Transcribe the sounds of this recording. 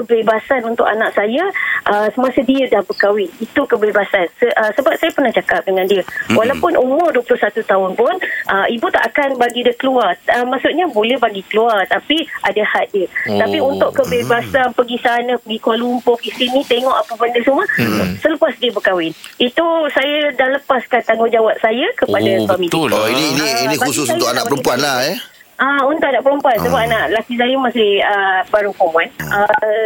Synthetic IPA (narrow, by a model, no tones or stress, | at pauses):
kəbebasanunt̪ʊ̰ʔanaʔsajəʔəsəmasədiədahbəkawɪnit̪ukəbebasansəʔəsəbap̚sajapərnaht͡ʃakap̚dəŋãndiəwʔalawpʊnʔumʊrduəpəlʊhsat̪ut̪aʊnpʊnʔəibut̪a̰ʔakanbaɡidəkəluarəmaʔsut̪̚ɲabolɛhbaɡikəluart̪apiʔadahat̪̚diət̪apiunt̪ʊʔkəbebasanpəɡisanə̃pəɡikalumpɔfisinĩt̪eŋɔʔapəbəndəsuməsələpasdiəbəkawɪnit̪usajədaləpaskant̪aŋɡod͡ʒawaʔ̚sajakəpadaswamĩt̪ɔininiinĩbusus̬uat̪ʊʔanaʔəɾupuanlaɛ | aunt̪ʊʔanãʔpəɾumpuansəbap̚anaʔlakisajəmasɪəbaɾukomanʔə